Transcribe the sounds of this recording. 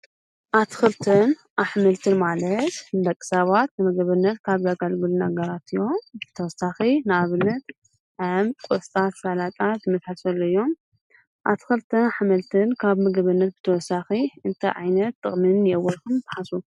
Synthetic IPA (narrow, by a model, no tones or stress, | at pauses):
ʔat̪ʰxɨlt̪ʰɨnʔaħmɨlt̪ʰɨnmalɐt̪b̪ɐkʼːɨ̥saβat̪nɨmɐɡɐβɨnːɐt̪kʰaβzaɡalɡɨlunaɡɐɾat̪ɨjːo̞mbɨt̪ʰɐwɔsːaxinɨaβɨnːɐt̪ | ʕamkʼost̪ʼat̪falat̪ʼat̪zɨmɐsħasɐlːoɨjːo̞m | ʔa̰t̪ʰɨ̥xɨlt̪ʰɨnaħmɐlt̪ʰɨnkʰaβmɐɡɐβɨnːɐt̪̚bɨ̥t̪ʰɐwɔsːaxiɨnt̪ʰɐ̰ʕa̰jnɐt̪ːʼɨ̰χʼmɨnːjɛwɔlkɨmbɨħasu